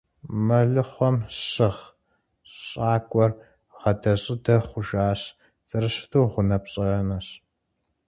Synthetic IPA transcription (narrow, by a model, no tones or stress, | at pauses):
mɐɮɨχʷɔmɕɪʁ | ɕʼaːkʷʼɔr | ʁɐdɐɕʼɪdɐχʷʊʒaːɕ | zʼɐɾɨɕɪ̥tʰoːʁʷʊnɐpɕʼɪrɐnɐɕ